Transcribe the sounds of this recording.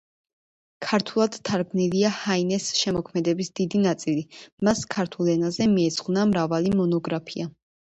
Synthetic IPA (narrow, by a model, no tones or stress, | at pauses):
kʰaɾt̪ʰulˠad̪̥t̪ʰːaɾɡniliahainɛsʃɛmɔkʰmɛd̪ɛbisd̪̥id̪inat̪sʼilimaskʰaɾt̪ʰulˠɛnazɛmiɛz̥ʁnamɾavalimɔnɔɡɾapʰia